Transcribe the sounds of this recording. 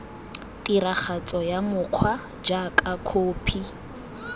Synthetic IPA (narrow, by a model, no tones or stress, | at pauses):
tʼiɾak͡xat͡sʼɔjamʊq͡χʰwa | d͡ʒakʼakʰoːpʰi